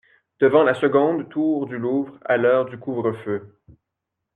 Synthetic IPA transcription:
d̪̥əvɑ̃lasəɡɔ̃d̪t̪ʰuːʁd̪yluvʁa̰lœːʁd̪ykuvʁəfø

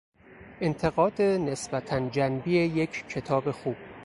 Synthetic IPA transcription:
ʔe̞nt̪ʰe̞ɣɒːd̪ene̞sbæt̪ʰænd͡ʒænbiːejecʰkʰːe̞t̪ʰɒːbe̞xuːb̥

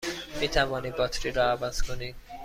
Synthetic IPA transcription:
miːt̪ʰævɔːniːbɒt̪ʰɾiɾɔːævæz̥kʰoni

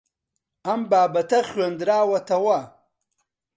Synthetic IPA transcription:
ɐmbaːbɐt̪ɐxwand̪ɾaːwɐt̪ɐwa

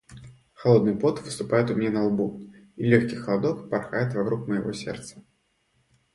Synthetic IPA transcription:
xalˠɔd̪nɨpɔt̪vɨst̪upajɛt̪umʲnʲɛnɐlˠbu | ilʲɔxkʲixɐlˠad̪ɔkparxajɛt̪vakɾukmɐjaɣɔsʲɛ̰rt̪sɐ̥

